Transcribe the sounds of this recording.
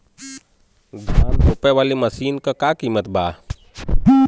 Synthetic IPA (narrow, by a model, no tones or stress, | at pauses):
d̪ʱaːlɦopɛʋaːlimɐsiːnkakakiːmət̪baː